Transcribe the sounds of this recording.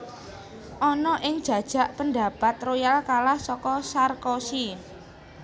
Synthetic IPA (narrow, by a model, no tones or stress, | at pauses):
ʔɔnɔʔɪŋd̥ʒ̥ä̤d̥ʒ̥ä̤ʔpənd̪a̤pat̪rojalkalahsɔkɔsarkɔsi